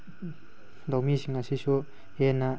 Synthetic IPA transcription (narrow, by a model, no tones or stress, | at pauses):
dowmisiŋɐsisu | enːa